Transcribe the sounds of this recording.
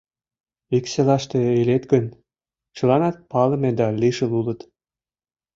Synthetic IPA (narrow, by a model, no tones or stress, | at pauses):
ikselɑʃt̪ĕelet̪ɡən | t͡ɕɤ̆lɑnɑt̪̚pɑlɤ̆med̪ɑliʃə̆lulə̆t̪